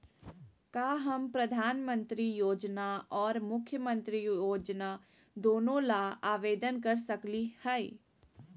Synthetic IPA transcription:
kaːɦɐmpɾɐd̪ʱaːnmə̃nt̪ɾijoːd͡ʒnaɔːɾmʊkʰjəmə̃nt̪ɾijjoːd͡ʒna | d̪oːnõlaaːʋeːd̪ənkɐɾsɐklihɛi

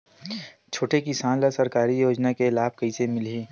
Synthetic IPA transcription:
t͡ʃʰoːʈekisaːnləsɐɾkaːɾijoːd͡ʒnakelaːb̚kɐisemɪlɦiː

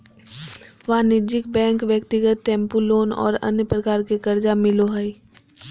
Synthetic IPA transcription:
ʋanɪd͡ʒɪk̚bɛ̃ːŋkʋjəkt̪ɪɡət̪̚ʈɛ̃ːmpuloːnɔ̰ːɾɐ̰njəpɾɐkaːɾkekɐɾd͡ʒamɪloɦɐi

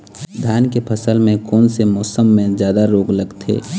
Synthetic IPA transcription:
d̪ʱjaːnkepʰəsəlmẽkɔːnsemɔːsəmːẽzjaːd̪aɾoːɡləɡt̪ʰḛː

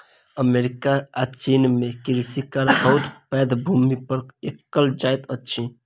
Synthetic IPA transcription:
əmeɾikaːt͡ʃinmẽkiɾisikaɾbəɦut̪pɛd̪bʱumipəɾekːəld͡ʒajt̪ət͡ʃʰi

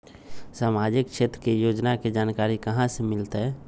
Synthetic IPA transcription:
samaːd͡ʒɪkʃeːt̪ɾəkejoːd͡ʒnaked͡ʒaːnkaːɾikəɦãsemɪlt̪ɦɛː

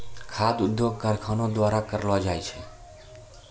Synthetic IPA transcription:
kʰad̪ʊd̪joɡ̚kaɾkʰanod̪waɾakəɾlad͡ʒajt͡ʃʰe

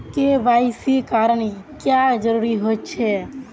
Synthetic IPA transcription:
kebaɪsikaɾəɳkjad͡ʒəɾuɾiɦott͡ʃʰɛ

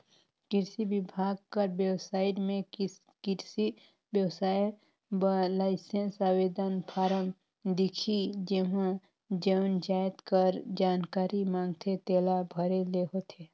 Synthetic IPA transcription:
kɪɾsibɪbʱaːɡ̚kəɾbjəwsaːɪʈmẽ | kɪɾsi | bjəwsaːj | blaːɪsensawed̪ənpʰaːɾəm | d̪ɪkʰid͡ʒeɦã | d͡ʒəwnd͡ʒaːjt̪kəɾd͡ʒaːnkaːɾimãːŋɡt̪ʰet̪eːlabʱəɾeleɦot̪ʰeː

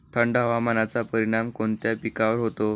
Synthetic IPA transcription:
t̪ʰəɳɖɦəʋamanat͡sapəɾiɽ̃amkoɳt̪japikaʋəɾɦot̪o

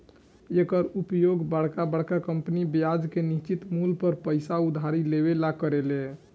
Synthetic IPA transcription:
ekəɾupjoɡbəɽ̤kabəɽ̤kakəmpnibjad͡ʒkenist͡ʃit̪mulpəɾpəɪsaud̪ʱaɾileβelakəɾele

